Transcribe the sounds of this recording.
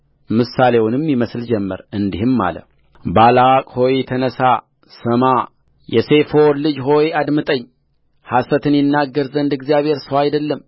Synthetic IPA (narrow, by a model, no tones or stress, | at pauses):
mɨsalewunɨmːjiməsld͡ʒɛmːə̰ɾɨnd̪ihɨmːa̰lə̰ | balawakʼho̞jt̪ʰənəsa | səma | jɛse̞foɾlɨd͡ʒɦo̞jad̪mɨt̪ʼəɲː | hasət̪ʰɨnjɪnːaɡːəɾzənd̪ɨɡzijaβhe̞ɾsəwajd̪əlːəm